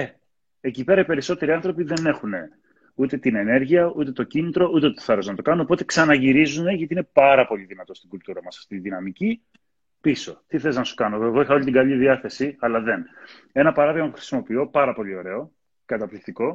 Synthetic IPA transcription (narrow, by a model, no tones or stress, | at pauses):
e | ecipe̞ɾɐipe̞ɾiso̞t̪e̞ɾiɐnθɾo̞piðe̞ne̞xune̞ | ut̪e̞t̪ine̞ne̞ɾʝiɐut̪e̞t̪o̞cinit̪ɾo̞ut̪e̞t̪oθɐɾoznɐt̪o̞kɐnoopo̞t̪e̞ksɐnɐʝiɾizune̞ʝɐt̪iine̞pɐɾɐpo̞ʎiðinɐt̪o̞st̪iɡult̪uɾɐmɐsɐft̪it̪iðinɐmici | piso̞t̪iθe̞leznɐsu̥kɐnoeɣoixɐo̞ʎit̪iɡɐʎiðiɐθe̞siɐlɐðe̞n | e̞nɐpɐɾɐðiɣmɐpuxɾi̥simo̞pio̞pɐɾɐpo̞ʎio̞ɾe̞o̞ | kɐt̪ɐplikt̪iko̞